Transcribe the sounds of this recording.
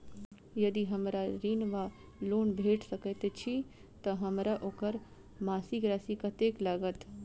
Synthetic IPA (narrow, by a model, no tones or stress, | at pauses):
jɐd̪iɦəmɾaɾiːnʋa | loːnbʱeːʈʰsəkət̪et͡ʃʰi | t̪əɦəmɾaʔoːkəɾ | maːsiɡɾasikət̪ekləɡət̪